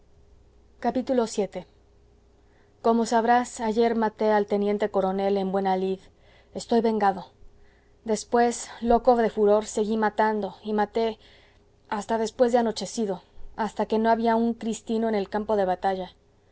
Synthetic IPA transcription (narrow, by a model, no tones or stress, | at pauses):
kapit̪ulo̞sje̞t̪e̞ | ko̞mo̞saβɾasaʝe̞ɾmat̪e̞alt̪e̞nje̞nt̪e̞ko̞ɾo̞ne̞le̞mbwe̞nalið | e̞st̪o̞jβe̞ŋɡaðo̞ | d̪e̞spwe̞sloko̞fðe̞fuɾo̞ɾse̞ɣimat̪and̪o̞imat̪e̞ | ast̪aðe̞spwe̞zðeano̞t͡ʃe̞siðo̞ast̪ake̞no̞aβiauŋkɾist̪ino̞ene̞lkampo̞ðe̞βat̪aʝa